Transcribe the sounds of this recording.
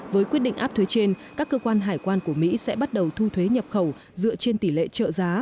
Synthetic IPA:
vəː˨˦jkwt̚ɗḭ˧˨ŋʔ̚ːt̪ʰwe˨˦t͡ɕe˧nkaː˦˥kːə˧kwaː˧nɦaː˨˩jkwaː˧nku˧˩əmḭ˧˥sɛ̰˧˥ɓa˦˥t̚ɗə˨˩wt̪ʰu˧t̪ʰwe˨˦ɲə˨˩p̚xə˧˩w | zɨ̰˧˨ət͡ɕe˧nt̪i˧˩lḛ˧˨t͡ɕə̰ː˧˨zaː˨˦

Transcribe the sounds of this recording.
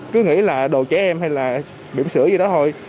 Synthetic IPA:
kɨ˨˦ŋḭ˧˥laː˨˩ɗo˨˩kɛ˨˦ʔɛ˧mha˧jlaː˨˩ | ɓḭ˧˩əmsɨ˧˥əɲɨ˧ɗɔ˨˦t̪ʰo˧j

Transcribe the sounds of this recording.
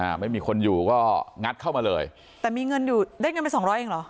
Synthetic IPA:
ʔa˧˩ma˥˩jmiː˧kʰo˧njuː˨˩kɔː˥˩ŋa˦˥t̪̚kʰa˥˩wmaː˧lɤː˧j | t̪ɛː˨˩miː˧ŋɤ˧njuː˨˩daː˥˩jŋɤ˧pe˧nsɔː˩˦ŋɾɔː˦˥jʔeː˧ŋlɔ˩˦

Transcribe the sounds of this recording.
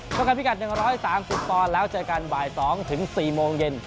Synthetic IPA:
kʰːŋka˧npi˦˥ka˨˩t̪̚nɯ˨˩ŋɾɔː˦˥jsaː˩˦msi˨˩p̚t̪ɔː˧lɛː˦˥wt͡ɕɤː˧ka˧nbaː˨˩jsɔː˩˦ŋt̪ʰɯ˩˦ŋsiː˨˩moː˧ŋje˧n

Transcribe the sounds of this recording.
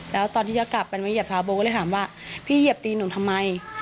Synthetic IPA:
lɛː˦˥wt̪ɔː˧nt̪ʰiː˥˩t͡ɕa˧˩ka˨˩pːa˧nmaː˧˩ji˧˩əp̚t̪ʰaː˧˦wboː˧kːt̪aː˩˦waː˥˩ | pʰiː˥˩ji˧˩əp̚t̪iː˧nuː˨˩˦t̪ʰmːa˧j

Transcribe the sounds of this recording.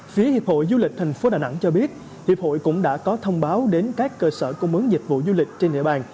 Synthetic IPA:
fi˨˦əhi˨əp̚ho̰˧˨jzu˧lï˨˩k̚t̪ʰɛ˨˩jŋ̟fo˨˦ɗaː˨˩na̰˧˥ŋt͡ɕɔ˧ɓi˦˥ət̚ | hi˨˩əp̚ho̰˧˨jkʊ̰˧˥ŋ͡mɗa̰ː˧˥kɔ˨˦t̪ʰə˧wŋ͡mɓaː˨˦wɗe˨˦nkaː˦˥kːəː˧səː˧˩kə˧mɨ˨˦əŋzï˨˩k̟̚vṵ˧˨zu˧lï˨˩k̟̚t͡ɕe˧nɗḭ˧˨əɓaː˧˩n

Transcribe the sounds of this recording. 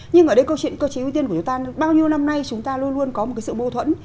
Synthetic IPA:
ɲɨ˧ŋʔəː˧˩ɗə˧jkə˧wt͡ɕwḭ˧˨nkəː˧wt͡ɕʔt̪i˧ənkt͡ɕʊ˨˦t̪aː˧ɓaː˧wɲi˧əna˧mna˧jt͡ɕʊ˨˦ŋ͡mt̪aː˧lu˧ənlu˧ənkɔ˨˦mo˨˩a˨˦jsɨ̰˧˨mo˧t̪ʰwə̰˧˨n

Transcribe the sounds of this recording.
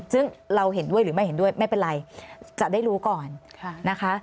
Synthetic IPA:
sɯ˥˩ŋɾa˧wɦe˨˩˦ndu˥˩əjɾɯː˩˦ma˥˩jɦe˩˦ndu˥˩əjma˥˩jpe˧nɾa˧jt͡ɕa˨˩da˥˩jɾuː˦˥kɔː˨˩nʰ˧na˦˥kʰa˦˥

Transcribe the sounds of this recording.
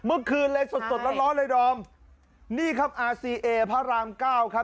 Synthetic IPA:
mɯ˦˥˩kʰːɯː˧nleː˧so˨˩t̪̚so˨˩t̪̚la˦˥t̪̚lɔː˦˥nlaː˧jdɔː˧m | niː˥˩kʰa˦˥˩p̚ʔaː˧siː˧ʔeː˧pʰaː˦˥˩ɾaː˧mkaː˥˩wkʰa˦˥

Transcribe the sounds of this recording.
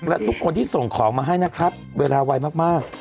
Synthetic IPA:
lɛ˦˥t̪ʰu˦˥kʰːo˧nt̪ʰiː˥˩so˨˩ŋkʰɔː˩˦ŋmaː˧ɦa˥˩jna˦˥kʰɾa˦˥t̪̚weː˧laː˧wa˧jmaː˥˩k̚maː˥˩k̚

